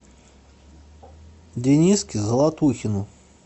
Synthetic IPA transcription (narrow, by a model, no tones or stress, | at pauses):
d̪ʲenʲiskʲizəlˠat̪uxʲɪnʊ